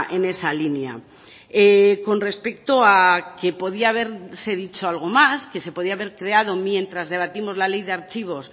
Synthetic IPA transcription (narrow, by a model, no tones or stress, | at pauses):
ʔene̞salinea̰ | eko̞nre̞spe̞k̚t̪oake̞po̞ð̞iaːβ̞e̞ɾse̞ð̞it͡ʃo̞alɣ̞o̞maske̞se̞po̞ðiaβe̞ɾkɾe̞að̞o̞mje̞nt̪ɾazðe̞β̞at̪imo̞zlale̞jðe̞aɾt͡ʃiβ̞o̞s